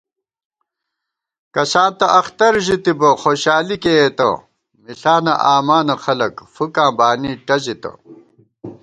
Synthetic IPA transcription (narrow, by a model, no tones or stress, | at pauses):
kɐsãːnt̪ɐʔɐxt̪ɐɾʑit̪ibɐxoːɕaːlikeeːt̪ɐ̰ | miɬaːnɐ̰ʔaːmaːnɐxɐlɐkfukãːbaːniʈɐzit̪ɐ̰